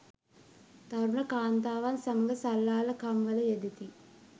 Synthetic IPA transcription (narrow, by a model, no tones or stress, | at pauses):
t̪ɐɾuɳɐkaːnt̪aːʋɐnsɐmɐɡɐsɐlːaːlɐkɐmʋɐlɐjed̪it̪i